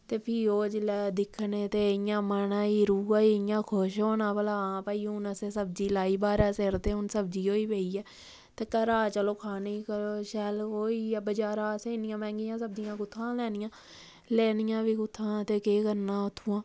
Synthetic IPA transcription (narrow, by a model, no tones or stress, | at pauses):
t̪eːpʰiːoːd͡ʒld̪ɪkʰneːt̪eːɪjãːmənãːiːɾuːaːiːɪjãːkʰoʃoːnãːpəlaːãːpəːiːʊnəseːsəb̚d͡ʒiːlaːiːbaːɾɛːseːɾt̪eːʊnsəbd͡ʒiːoːiːpeːiːɛː | t̪eːkəɾaːt͡ʃəloːkʰaːniːkəloːʃɛːloːiːbəd͡ʒaːɾãːseːnɪjãːmɛ̃ːŋɡɪjãːsəb̚d͡ʒɪjãːkʊt̪ʰːãːlɛːnɪjãː | lɛːnɪjãːʋiːkʊt̪ʰːãːt̪eːkeːkəɾnãːʊt̪ʰːuːãː